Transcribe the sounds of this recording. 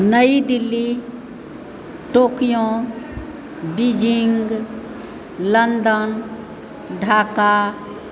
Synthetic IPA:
nəid̪ɪlːi | ʈoːkijõ | bid͡ʒɪŋɡ | lənd̪ən | ɖʱaːka

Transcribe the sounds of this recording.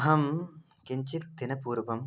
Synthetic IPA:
ɦɐm | kiɲt͡ʃit̪̚ːɪnɐpuːɾʋɐm

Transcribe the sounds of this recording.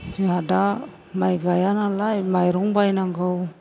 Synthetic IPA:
d͡ʒiada | majɡajanalajmajɾɔŋbajnaŋɡaw

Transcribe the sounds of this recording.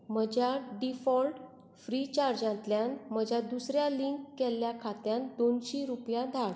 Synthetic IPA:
məd͡ʑʱaɖifɔlʈ | fɾit͡ɕaɾd͡ʑãnt̪ljãnməd͡ʑʱad̪usɾjaliŋkːɛlːjakʰat̪jãnd̪onɕiɾupjãd̪ʱaɽ

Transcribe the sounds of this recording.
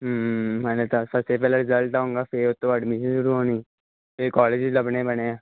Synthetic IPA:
ɦɦɛ̃ːnet̪asəbsep̬ɛːleɾɪzəlʈaːõːŋɡaːfʰɪɾʊt̪ːõːəɖmɪʃənʃʊɾuːɦoːniː | pɪɾkɔːled͡ʒɪləbneːbəɽ̃eãː

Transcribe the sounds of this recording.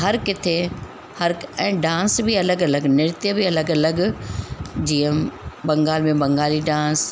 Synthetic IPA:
ɦɐɾkɪt̪ʰe | hɐɾɛ̃ːɖãːnsbiɐləɡɐləɡnɪɾt̪jəbiɐləɡɐləɡ | d͡ʑiːə̃bɐ̃ŋɡaːlmẽbɐ̃ŋɡaːliɖãːs

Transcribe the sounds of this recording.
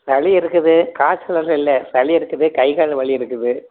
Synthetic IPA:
sɐɭiɪɾɯkːɯðɯkaːt͡ʃːɐlɐɾɪlːɐsɐɭɪɪɾɯkːɯðɯkɐɪɣaːɻɯʋɐɭɪɪɾɯkːɯðɯ

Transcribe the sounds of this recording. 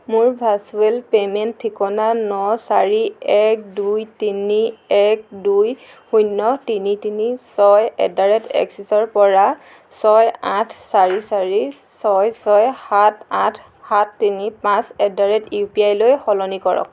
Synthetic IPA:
mʊɹbʱasuelpemɛntʰːikɔnanɔsaɹiɛk̚dujtiniɛk̚duj | xujnːɔtinitinisɔjɛ̰daɹɛtɛ̰ksisɔɹpɔɹa | sɔjãtʰsaɹisaɹisɔjsɔjhatãtʰ | hatʰːinipãsɛdaɹɛtjupiajlojxɔlɔnikɔɹɔ̰k̚

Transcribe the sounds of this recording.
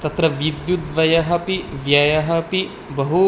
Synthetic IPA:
t̪ɐt̪ɾɐʋid̪jud̪ʋɐjɐɦɐpiʋjɐjɐɦɐpi | bɐɦu

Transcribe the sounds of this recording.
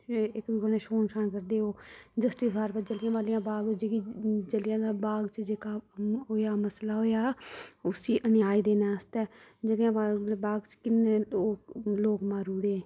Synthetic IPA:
ɪkikoneːʃoːnʃaɳkəɾd̪eːoːd͡ʒəsʈiːsɡaːɾpəɾd͡ʒəlɪjãːʋaːlijãːbaːɡd͡ʒeːkid͡ʒəljãːabaːɡt͡ʃd͡ʒeːkaːɦoːjaːməslaːɦoːjaːʊsiːʔənjaːid̪eːnaːst̪ɛːd͡ʒəljãːʋaːbaːɡt͡ʃkɪnːeːoːloːkmãːɾuːɽeː

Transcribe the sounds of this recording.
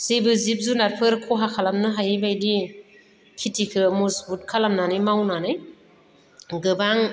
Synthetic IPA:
sebɯzip̚zunaɾpʰɯɾkʰɔɦakʰalamnɯɦajibajdi | kʰitʰikʰɯmusbut̚kʰalamnanɯjmawnanɯj | ɡɯbaŋ

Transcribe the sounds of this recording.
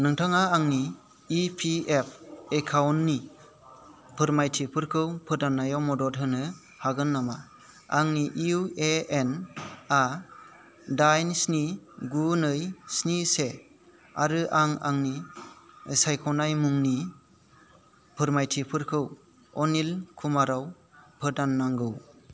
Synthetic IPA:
nɯŋtʰaŋaːŋniː | pʰiep̚ʰekʰawnːi | pʰɯɾmajtʰipʰɯɾkʰɯwpʰɯdanːajɔmɔdɔtɦɯnɯ | haɡɯnːama | aŋniʔiueena | dajnsniɡunɯjsnise | aɾɯʔaŋa̰ŋni | sajkʰɔnajmuŋni | pʰɯɾmajtʰipʰɯɾkʰɯw | ɔnilkʰumaɾaw | pʰɯdanːaŋɡɯw

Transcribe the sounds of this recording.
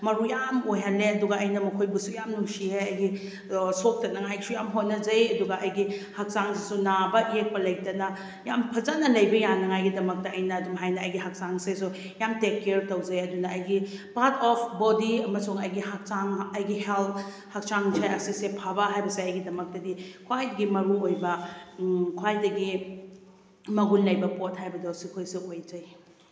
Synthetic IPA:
mɐɾujamojɦanlːeɐduɡɐʔɐjnɐmɐkʰojbɐsujamnuŋsiheɐjɡi | sok̚tɐnɐŋajsujamɦotnːɐd͡ʒɐjɐduɡɐʔɐjɡihak̚saŋsʰesunabɐjek̚pɐlɐjtɐnɐ | jampʰɐzanɐlɐjbɐjanɐŋajɡidɐmɐk̚tɐɐjnɐːduŋɦajnɐɐjɡiɦak̚saŋsesu | jamtekːeɾtɐwd͡ʒɐjɐdunɐːjɡipaɾtʰɔpʰbodiɐmɐsuŋɐjɡihak̚saŋɐjɡihelp | hak̚t͡ʃaŋd͡ʒʰeɐsisepʰabɐɦajbɐseɐjɡidɐmɐk̚tɐdikʰwajdɐɡimɐɾuojbɐ | kʰwajdɐɡi | mɐɡunlɐjbɐpot̚hajbɐdosikʰojsuojd͡ʒɐj

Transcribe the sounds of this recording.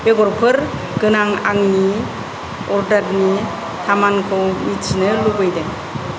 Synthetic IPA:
beɡɔɾpʰɯɾ | ɡ̥ɯnaŋaŋni | ɔɾdaɾni | tʰamankʰɯwmitt͡ʃinɯlubɯjdeŋ

